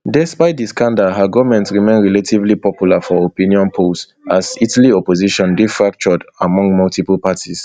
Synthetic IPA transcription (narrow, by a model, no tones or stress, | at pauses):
dɛspaɪt̚diskãndaɦaɡɔvmɛ̃ntsɹimẽnɹɛlatʰivlipɔpjulafɔopĩniɔ̃npʰos | azitaliɔpoziʃɔ̃ndifɹak̚t͡ʃɔdamɔ̃ŋɡmɔltʰiplˠpatʰis